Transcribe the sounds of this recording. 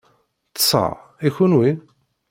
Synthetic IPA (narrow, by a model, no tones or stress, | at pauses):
tsˤɑ̰ | içunwi